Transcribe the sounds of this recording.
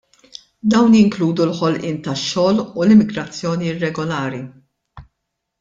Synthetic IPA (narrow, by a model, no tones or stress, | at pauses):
d̪ɐwnjɪŋkluːd̪ulħɔlʔɪːnt̪ɐʃːɔːlulɪmːɪɡɾɐt͡sːjɔːniɪrːɛɡɔlɐːɾi